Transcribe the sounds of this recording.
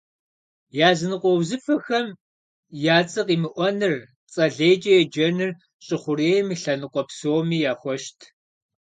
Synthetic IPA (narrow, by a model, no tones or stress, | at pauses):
jaːzɨnɨqʷʼɔwzɨfɐxɐm | jaːt͡sʼɨqiːmɨʔʷɔnɨr | t͡sʼɐɮeːjt͡ʃʼɐjɛd͡ʒɐnɨr | ɕʼɪχʷʊreːjmiɬɐnɨqʷʼɔpsoːmiːjaːxʷɔʃtʰ